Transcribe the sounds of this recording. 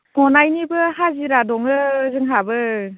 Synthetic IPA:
nɔnajnibɯɦaziɾadɔŋɯzɯŋɦabɯ

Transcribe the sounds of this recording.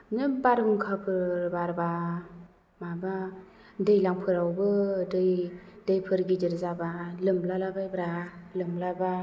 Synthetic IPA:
nɯbaɾɯmkʰapʰɯɾbaɾba | maba | dɯjlaŋpʰɯɾawbɯdɯjdɯjpʰɯɾɡidɯɾzabalɯmlalabajbɾalɯmlaba

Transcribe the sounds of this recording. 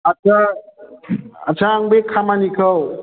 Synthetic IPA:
at͡ʃʰa | at͡ʃʰaːŋbekʰamanikʰɯw

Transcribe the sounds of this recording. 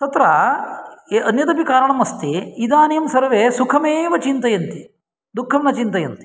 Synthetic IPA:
t̪ɐt̪ɾɐ | eʔɐnjɐt̪ɐpikaːɾɐɳɐmɐst̪iid̪aːnɐjɐmsɐɾʋeːsukʰɐmeːʋɐt͡ʃint̪ɐjɐnt̪i | d̪ukʰːɐmnɐt͡ʃint̪ɐjɐnt̪i̥

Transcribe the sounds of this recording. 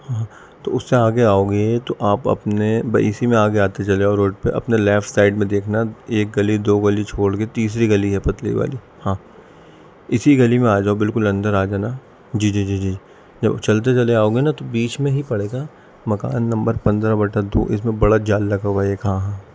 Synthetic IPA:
hãː | t̪oʊsːeaːɡeaːoːɡet̪oʔaːpɐ̰pnebɐ̰ɪsimẽaːɡeaːt̪et͡ʃɐleaɔɾoːʈ̚peʔɐ̰pnelɛːfʈsaːɪɖmẽd̪eːkʰnaeːk̚ɡɐlid̪oːɡɐlit͡ʃʰoːɽɡet̪iːs̬ɾiɡɐliɦɛpɐt̪lḭʋa̰ːli | hãː | ɪsiɡɐlimẽaːd͡ʒaːobɪlkʊlɐ̃nd̪əɾaːd͡ʒaːna | d͡ʒiːd͡ʒiːd͡ʒiːd͡ʒiːd͡ʒiː | d͡ʒɐ̰bt͡ʃɐlt̪̬et͡ʃɐleaːoːɡenat̪obiːt͡ʃmẽɦipɐɽeːɡaː | mɐka̰ːnːɐ̃mbəɾpɐ̃nd̪ɾabɐʈad̪o̰ːʔɪ̰s̬mẽbɐɽad͡ʒaːlːɐɡaʋaeːkɦãːɦãː

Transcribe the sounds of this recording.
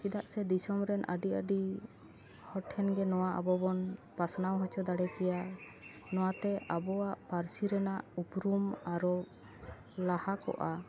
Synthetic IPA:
t͡ʃid̪aʔsɛd̪isɔmɾɛnʔə̰ɖiəɖi | hɔʈʰːɛnɡɛnɔwaʔabɔbɔnpasnawɦɔt͡ʃɔd̪aɽɛkɛja | nɔwat̪ɛʔabɔwaʔpaɾsiɾɛnaʔupɾumaɾɔ | lahakɔ̰ʔa

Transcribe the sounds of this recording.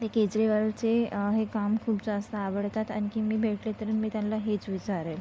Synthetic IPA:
t̪eked͡ʑɾiʋalt͡seɦekamkʰuːpd͡zast̪ʰəaʋəɽt̪at̪a̰ñikiːmiːbʱeʈlet̪əɾəːnmiːt̪janlaɦet͡sʋit͡ɕaɾel

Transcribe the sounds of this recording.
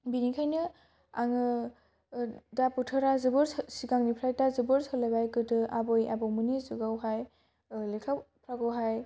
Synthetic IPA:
binikʰajnɯ | aŋɯ | daputʰɯɾazɯbɯɾsiɡaŋnipʰɾajtazɯbɯɾsɔlabajkɯdɯabojabɔmunizuɡawɦaj | lekʰawpʰɾaɡawɦaj

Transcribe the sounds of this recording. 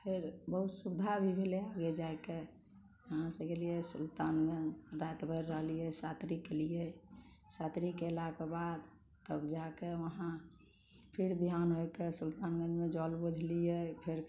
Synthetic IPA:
pʰeɾbəɦut̪subd̪ʱabʱibʱeleaɡed͡ʒaeke | əɦãsəkeliesult̪anɡənɾat̪bʱəɾːəɦlijɛsat̪ɾikelije | sat̪ɾikelakebad̪ | t̪əbd͡ʒakeʋəɦã | pʰiɾbiɦanɦojkesult̪anɡənmed͡ʒɔlbəd͡ʒʱlijepʰeɾ

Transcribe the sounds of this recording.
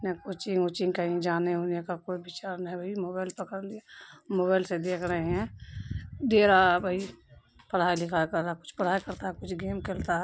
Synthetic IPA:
nɛkot͡ʃɪ̃ŋot͡ʃɪ̃ŋkəɦĩd͡ʒaːneɦoːnekakoːibɪt͡ʃaːɾnaɦɛ̃bʱəimobaːɪlpəkəɾlijamoːbaːɪlsed̪eːkʰɾəɦeɦɛ̃ | d̪eːɾabʱəi | pəɽ̤aːilɪkʰajkəɾːakʊ̥t͡ʃʰpəɽ̤aːjkəɾt̪aɦɛkʊt͡ʃʰɡeːmkelt̪aɦɛ

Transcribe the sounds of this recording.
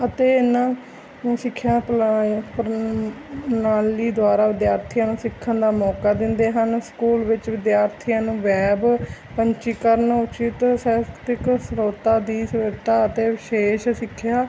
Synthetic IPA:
ət̪eːnãː | sɪkʰːjaːppɾ | naːliːd̪ʊaːɾaːʋɪd̪jaːɾt̪ʰijãːnũːsɪkʰːənd̪aːmɔːkaːd̪ɪnd̪eːɦənskuːlʋɪt͡ʃʋɪd̪jaːɾt̪ʰijãːnũːʋɛːbpəɲt͡ʃiːkəɾənʊt͡ʃɪt̪sɛːkt̪ɪksɾoːt̪aːd̪iːsəɾt̪aːət̪eːʋɪʃeːʃsɪkʰːjaː

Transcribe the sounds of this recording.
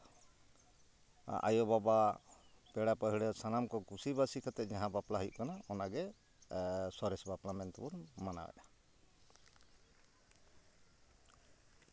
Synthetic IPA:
ʔa̰jɔbaba | pɛɽapəɦiɽɛsanamkɔkusibasikʰat̪ɛʔ̪̚d͡ʒaɦãbaplaɦujʔ̚kanaɔnaɡɛ | sɔɾɛsbaplamɛnt̪bunmana̰wɛ̰ʔa

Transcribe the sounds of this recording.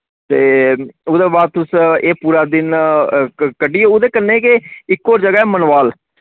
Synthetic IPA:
t̪eːoːd̪eːbaːt̪ʊseːpuːɾaːd̪ɪn | kəɖiːeʊd̪eːkənːeːkeɪkːoːɾd͡ʒəɡaːɛːmənʋaːl

